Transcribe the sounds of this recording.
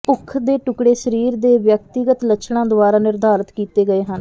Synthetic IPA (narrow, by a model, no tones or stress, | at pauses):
pʊkʰːd̪eːʈʊkɽeːsəɾiːɾd̪eːʋjək̚t̪ɪɡət̪lət͡ʃʰɽãːd̪ʊaːɾaːnɪɾd̪ʱaːɾət̪kiːt̪eːɡəeːɦən